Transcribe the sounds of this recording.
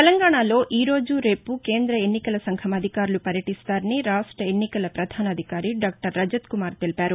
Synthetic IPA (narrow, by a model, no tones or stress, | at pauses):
t̪elɐŋɡaːɳaːlo̞ːʔiːɾo̞ːd͡ʒuɾe̞ːpuke̞ːnd̪ɾɐenːikɐlɐsɐŋɡʰʱɐmɐd̪ʱikaːɾulupɐɾjɐʈist̪aːɾɐniɾaːʂʈɾɐenːikɐlɐpɾɐd̪ʱaːnɐd̪ʱikaːɾiɖaːk̚ʈɐɾːɐd͡ʒɐt̪kumaːɾt̪elipaːɾu